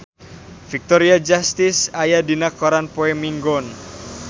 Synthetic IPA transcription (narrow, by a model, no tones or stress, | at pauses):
fik̚t̪ɔɾiad͡ʒast̪ɪsajadinakoɾanpoemiŋɡɔn